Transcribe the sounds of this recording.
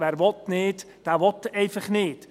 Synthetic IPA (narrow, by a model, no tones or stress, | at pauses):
ʋɛrʋɔtneːt | d̥aʋɔtejfəχneːt